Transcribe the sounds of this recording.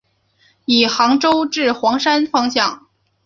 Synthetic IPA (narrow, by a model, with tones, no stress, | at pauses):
i˨˩xɑ˧˥ŋʈ͡ʂo˥ʊʈ͡ʂɻ̩˥˩xwɑ˧˥ŋʂa˥nfɑ˥ŋɕjɑ˥˩ŋ